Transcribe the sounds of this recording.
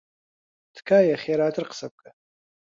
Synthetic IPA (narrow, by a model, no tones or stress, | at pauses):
d̥kʰajaχʲjaɾaːtʰɨrqʰʼsap̚ʼkʼa